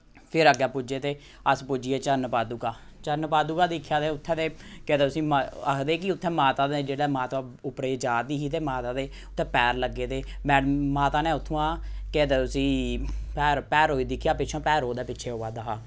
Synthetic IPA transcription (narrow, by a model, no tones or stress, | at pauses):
pʰɪɾəɡjaːpʊd͡ʒeːt̪eː | əspʊd͡ʒieːt͡ʃənpaːd̪uːkaːt͡ʃənpaːd̪uːkaːd̪iːkʰjaːd̪eːʊt̪ʰːɛ̃ːd̪eːket̪eːʊsĩːmaəkʰd̪eːkɪʊt̪ʰːɛ̃ːmaːt̪aːd̪eːd͡ʒeːɽɛːmaːt̪aːʊpɾeːd͡ʒaːd̪iːɦiːt̪̬eːmaːt̪aːd̪eː | ʊt̪ʰːɛ̃ːpɛːɾləɡːeːd̪eːmɛːmaːt̪aːneːʊt̪ʰːõːãːkeːt̪eːʊsĩːpɛːɾpɛːɾɦoːiːd̪ɪkʰːjaːpɪt͡ʃʰãːpɛːɾoːd̪eːpɪtːʃʰeːɦoːaːd̪aɦaː